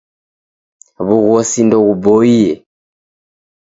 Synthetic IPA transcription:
βuɣɔsindɔɣubɔijɛ

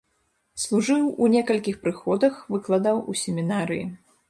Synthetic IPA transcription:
slˠuʐɨwunʲɛkɐlʲkʲixpɾɨxɔd̪ɐxvɨklˠad̪awusʲɛmʲinaɾɨji

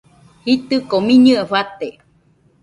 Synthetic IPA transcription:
hit̪ɨkomĩɲɨaɸat̪e

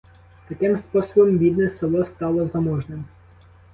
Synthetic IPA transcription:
t̪ɐkɪmspɔsɔbɔmʋʲid̪nɛsɪlˠɔst̪ɑlˠɔzɐmɔʒnɪm

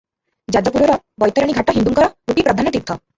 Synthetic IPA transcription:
d͡ʒad͡ʒɔpuɾɔɾɔ | bɔjt̪ɔɾaɽ̃iɡʱaʈɔɦind̪uŋkɔɾɔuʈipɾɔd̪ʱanɔt̪it̪ʰːɔ

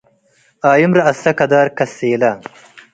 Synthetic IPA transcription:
aːjumɾɐɐsɐkɐd̪aːɾkɐseːla

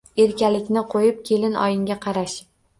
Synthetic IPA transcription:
e̞ɾkʲalɪkʲnɪqʰojɪp̚kʲʰe̞lɪnʔɒ̰jɪŋɡʲaqʰɑɾaʃ

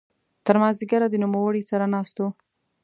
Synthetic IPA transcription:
t̪əɾmɑziɡaɾad̪ənumawəɽisaɾanɑst̪o

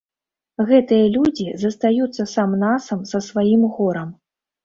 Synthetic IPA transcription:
ɣɛt̪ɨjɐlʲud͡zʲizɐst̪ajut̪sːɐsamnasɐmsɐsvajimɣɔɾɐm

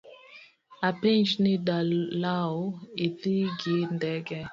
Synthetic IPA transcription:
apend͡ʒnidalaoiðiɡindɛɡɛ

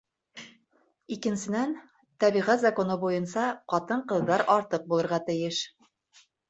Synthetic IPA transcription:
ikɘ̆nsɘ̆næn | t̪æβiʁæt̪zɑkonɤbujɤnsɑqɑt̪ɤɴqɤ̆ðːɑɾɑɾt̪ɤq̚bulˠɤ̆ɾʁɑt̪ɘ̆jɘʃ

